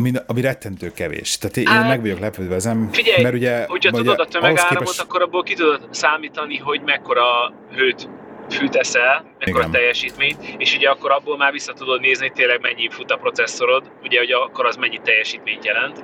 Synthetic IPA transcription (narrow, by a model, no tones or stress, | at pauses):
miɒmiɾɛt̪ːɛnt̪øːkɛvḛːʃt̪aːt̪eːmmɛɡvʋɒɟo̞klɛpøːd̪vɛɛzɛmfiɟɛjmɛɾuɟɛho̞cʰɒtuod̪ɒt̪ømɛɡaːɾmot̪ɒkːo̞ɾɒbːolkit̪ud̪o̞t̪saːmiːt̪ɒniɦo̞ɟmɛkːo̞ɾɒ | ɦøːt̪fyt̪ɛsɛlmɛkkoɾɒt̪ɛjːɛʃiːt̪meːɲt̪eːʃuɟɛɒkːo̞ɾɒbːoːlmaːrvisːɒt̪ud̪o̞d̪neːznit̪eːlːɛɡmɛɲːifut̪ɒpɾo̞t̪sɛsːo̞ɾo̞d̪ | uɟɛɦo̞ɟɒkːo̞ɾɒzmɛɲːit̪ɛjːɛʃiːt̪meːɲt̪jɛlɛnt̪